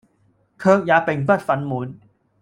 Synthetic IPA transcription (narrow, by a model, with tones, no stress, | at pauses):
kʰɤː˧k̚jaː˨˧pe˨˩ŋpɐ˥t̚fɐ˨˧nmuː˨˦n